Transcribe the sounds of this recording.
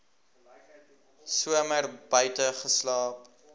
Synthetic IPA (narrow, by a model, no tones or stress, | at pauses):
suəmərbœɥtəχəslɑːp